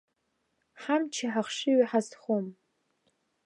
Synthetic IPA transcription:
ħamt͡ʃʰaħaχʂɪɥiħazχom

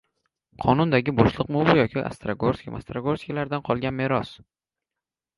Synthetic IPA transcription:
qʰɒnʊnd̪aɡʲɪbɒʃlˠɨqmʊvʊjɒkʲʰɪʔa̰st̪ɾaɡoɾskʲma̰st̪ɾaɡoskʲalaɾd̪anqʰɒlˠɡʲanmeɾɒs

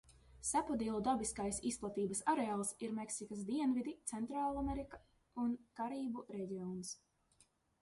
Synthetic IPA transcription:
sæpɔd̪iɛlˠud̪abiskajsisplˠat̪iːbɐsaɾeaːlˠsiɾmeksikasd̪iɛnvid̪it̪sɛnt̪ɾaːlˠameɾikḁ | unkaɾiːbuɾɛɟʲiɔns

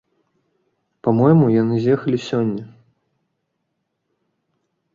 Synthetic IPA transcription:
pamɔjmujanɨzʲjɛxɐlʲisʲɔnʲːɐ

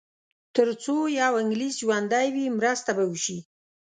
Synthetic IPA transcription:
t̪əɾt͡sojɑwɪŋɡlisʒwand̪ajwimɾəst̪abawuʃi

